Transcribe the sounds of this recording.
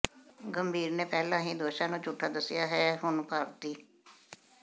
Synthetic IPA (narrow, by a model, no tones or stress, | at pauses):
ɡəmbʱiːɾneːpɛːlãːɦĩːd̪oːʃãːnũːt͡ʃʊʈʰːaːd̪əsːɪjaːɦɛːɦʊnpaːɾt̪iː